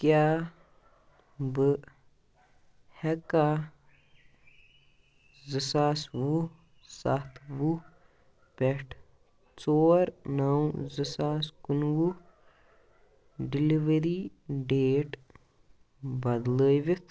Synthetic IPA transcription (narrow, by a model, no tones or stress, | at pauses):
kjaː | bɨ | hɛka | zɨsaːswu | sat̪ʰwu | pɛʈʰ | t͡soːɾnɐwzɨsaːskunwu | ɖiliʋeɾi | ɖeːʈ | bɐd̪ləːjʋit̪ʰ